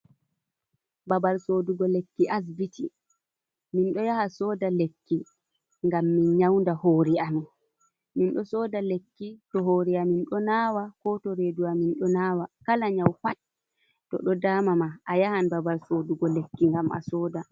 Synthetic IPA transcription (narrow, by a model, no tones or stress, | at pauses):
babalsoduɡɔlekːiʔas̬bitʰi | minɗɔjahasɔːdalekːi | ŋɡamːinɲawndahoɾiami | minɗɔsɔːdalekːitɔɦoɾiaminɗɔnaːwakɔtɔɾeduwaminɗɔnaːwakalaɲawfat̚ | tːɔ̰ɗɔdaːmamaʔajahanbabalsoduɡɔlekːiŋɡama̰sɔːda